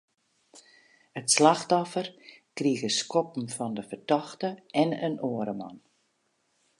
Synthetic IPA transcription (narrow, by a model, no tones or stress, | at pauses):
ətslaxtɔfərkriəɣəskɔpm̩fɔndəfərdɔxtəɛnə̰noəɾəma̰n